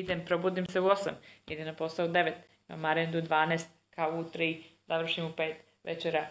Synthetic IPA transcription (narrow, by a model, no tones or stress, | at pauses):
id̪empɾo̞buːd̪imseuosa̰mḭd̪enapo̞saud̪e̞ʋet̪ | na̰maɾend̪ud̪ʋaːneːst̪̚ | kaout̪ɾizaʋr̩ʃimupe̞ːt̪ | ʋḛt͡ʃeɾa